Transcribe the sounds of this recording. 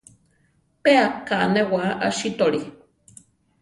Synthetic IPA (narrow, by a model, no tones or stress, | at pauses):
peakanewaʔa̰ʃit̪oɽi